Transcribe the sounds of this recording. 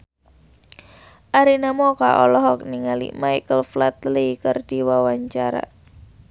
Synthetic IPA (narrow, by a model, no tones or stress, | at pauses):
ʔaɾinamɔka̰ʔɔlɔɦɔk̚niŋalḭmajkəlflat̪likərd̥iwawaɲt͡ʃaɾa̰